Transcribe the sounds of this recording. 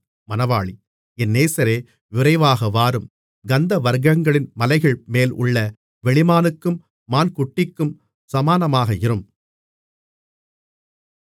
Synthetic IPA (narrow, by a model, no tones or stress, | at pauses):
mɐnɐʋaːɭi | ɛnːeːsɐɾeː | ʋɪɾɐɪʋaːɣɐʋaːɾɯm | ɡɐnd̪ɐʋɐɾɡɐŋɡɐɭɪnmɐlɐɪɣɐɭmeːlʔʊ̰ɭːɐ | ʋɛɭɪmaːnɯkːɯmː | aːnkʊʈːɪkːɯm | sɐmaːnɐmaːɣɐɪɾɯm